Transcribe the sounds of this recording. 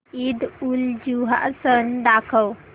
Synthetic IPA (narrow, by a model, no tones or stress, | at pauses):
id̪uld͡ʒuɦa̰ʔsənd̪akʰəw